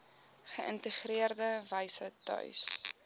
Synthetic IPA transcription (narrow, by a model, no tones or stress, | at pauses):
χəʔə̰ntəχriərdəvəjsətœ̰ɥs